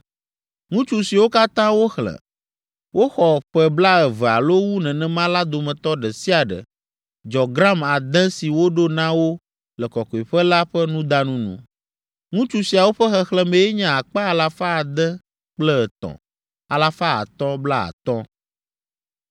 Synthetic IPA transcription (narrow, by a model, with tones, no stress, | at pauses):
ŋũ˦t͡ʃu˦si˨wo˦ka˦t̪ã˦wo˦xlɛ̰̃˨ | wo˦xɔ˨ɸɛ˨bla˦ɛ˨vɛ˨a̰˨lo˦wu˦nɛ̃˨nɛ̃˦mã˦la˦d̪o˨mɛ̃˨t̪ɔ˦ɖɛ˨si˦a˨ɖɛ̰˨ | d͡ʒɔ˨ɡɾa˦ma˨d̪ɛ̃˦si˨wo˦ɖo˦nã˦wo˦ | lɛ˨kɔ˨kɔ˨i˨ɸɛ˦la˦ɸɛ˦nũ˦d̪a˦nũ˦nṵ̃˨ | ŋũ˦t͡ʃu˨si˨a˨wo˦ɸɛ˦xɛ˨xlɛ˦mẽ˨jɛ˦ɲã˨a˨k͡pa˦a˨la˨fa˦a˨d̪ɛ̃˦ | k͡plɛ˦ɛ˨t̪ɔ̰̃˨ | a˨la˨fa˦a̰˨t̪ɔ̃˦bla˦a̰˨t̪ɔ̃˦